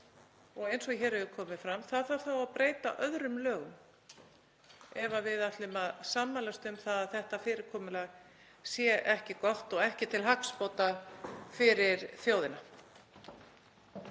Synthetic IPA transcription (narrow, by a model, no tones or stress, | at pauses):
ɔɣejnsɔɣçɛːɾɛðʏkʰɔːmɪfɾamθaðθawɾ̥θawaðpɾeːjt̪a̰ʔœðɾʏmlœːɣʏm | ɛvavɪðat̪lɪmaðsamːalast̪ʏmθaðaðθɛht̪afɪːɾɪɾ̥kʰɔːmʏlaːɣ | sjɛʔɛhcɪkɔht̪ɔɣɛhcɪt̪ʰɪlɦakspowt̪afɪɾɪɾθjoːwðɪna